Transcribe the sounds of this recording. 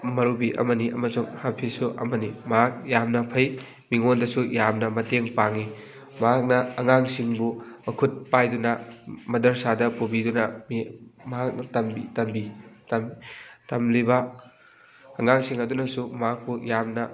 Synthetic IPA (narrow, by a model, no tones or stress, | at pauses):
mɐɾubiʔɐ̰mɐniʔɐmɐsuŋhapʰisuʔɐ̰mɐnimɐɦak̚jamnɐpʰɐj | miŋondɐsujamnɐmɐteŋpaŋi | mɐɦak̚nɐːŋaŋsiŋbumɐkʰut̚pajdunɐmɐdɐɾsadɐpubidunɐmimɐɦak̚nɐtɐmbitɐmbitɐmtɐmlibɐ | ŋaŋsiŋɐdunɐsumɐɦak̚pujamnɐ